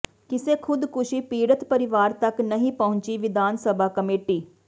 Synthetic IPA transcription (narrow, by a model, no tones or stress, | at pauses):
kɪseːkʰʊd̪kʊʃiːpiːɽət̪pəɾɪʋaːɾt̪əknəɦĩːpəʊ̃ɲt͡ʃiːʋɪd̪ʱaːnsəbʱaːkəmeːʈiː